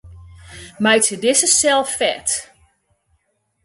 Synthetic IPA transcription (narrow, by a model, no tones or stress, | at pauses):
majtədɪsəsɛlˠffɛt